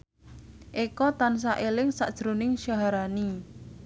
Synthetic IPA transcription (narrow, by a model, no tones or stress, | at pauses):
ʔekɔt̪ans̬aʔelɪŋsa̰ʔd̥ʒ̥ɾonɪŋʃaɦaɾani